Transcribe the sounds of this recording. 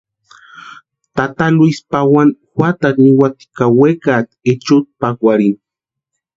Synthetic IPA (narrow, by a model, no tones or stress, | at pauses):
t̪at̪aluispawanxwat̪akniwat̪i̥kawekat̪et͡ʃut̪̚pakwaɾin